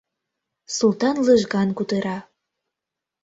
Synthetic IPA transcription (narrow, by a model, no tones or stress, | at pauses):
sulˠt̪ɑnləʒɣɑnkut̪əɾɑ